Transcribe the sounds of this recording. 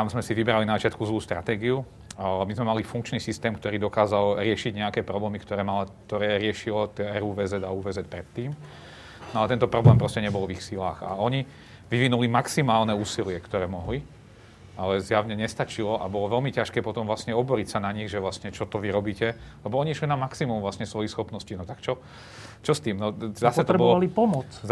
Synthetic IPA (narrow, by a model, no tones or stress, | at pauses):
t̪amzmɛsiʋibɾalinazat͡ʃɪat̪kuzluːst̪ɾa̰t̪ɛːɡiu | mizmɛmalifuŋkt͡ʃniːsist̪ɛːmkt̪ɔɾiːd̪ɔkaːzalɾɪɛʃiɟɲɛakɛːpɾɔblɛːmikt̪ɔɾɛːmalakt̪ɔɾɛːɾɪɛʃilɔt̪ɛɾuːʋɛːzɛd̪auːʋɛːzɛt̪̚pɾɛt̪ːiːm | nɔalɛt̪ɛnt̪ɔpɾɔblɛːmpɾɔscɛɲɛbɔlʋixsilaːxa̰ɔɲi | ʋiʋinulimaksimaːlnɛuːsilɪɛkt̪ɔɾɛːmɔɦli | alɛzjaʋɲɛɲɛst̪at͡ʃilɔʔa̰bɔlɔʋɛlmicaʃkɛːpɔt̪ɔmvlasɲɛɔbɔɾicsanaɲiɣʒɛʋlasɲɛt͡ʃɔt̪ɔʋiɾɔbiːcɛlɛbɔɔɲiiʃlinamaksimumvlasɲɛsʋɔjixsxɔpnɔscinɔt̪akt͡ʃɔ | t͡ʃɔst̪iːmnɔzasɛt̪ɔɾɛbɔlɔalipɔmɔt͡s